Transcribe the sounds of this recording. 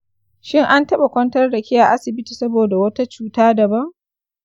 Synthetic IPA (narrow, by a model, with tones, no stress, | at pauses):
ʃɪ˦ŋʔa˦ntɐ˦ɓa˨kʷɔ˦ntɐ˦rdɐ˨kʲɪ˦ja˨ʔa˦sɪ˨bɪ˦tiː˨sɐ˦boː˨da˨wɐ˦ta˦t͡ʃuː˦taː˦dɐ˨bɐ˦ŋ